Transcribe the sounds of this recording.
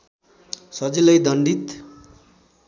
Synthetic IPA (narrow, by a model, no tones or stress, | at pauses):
sʌd͡zilʌjd̪ʱʌɳɖit̪